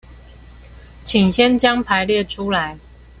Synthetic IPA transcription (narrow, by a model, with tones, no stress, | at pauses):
t͡ɕʰi˨˩ŋɕjɛ˥nt͡ɕjɑ˥ŋpʰa˧˥ɪljɛ˥˩ʈ͡ʂʰu˥la˨˦ɪ